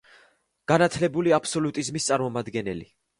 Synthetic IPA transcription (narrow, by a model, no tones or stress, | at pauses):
ɡ̥anat̪ʰlɛbuliapʰsɔlut̪ʼizmist̪sʼaɾmɔmad̪ɡɛnɛlḭ